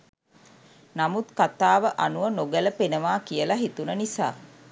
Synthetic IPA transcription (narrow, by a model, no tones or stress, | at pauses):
namut̪kat̪aːʋəʔanuʋənoɡələpenəʋaːkijəlaɦit̪unənisaː